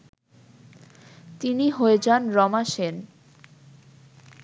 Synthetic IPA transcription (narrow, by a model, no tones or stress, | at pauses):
t̪iniɦoed͡ʑanɾɔmaʃen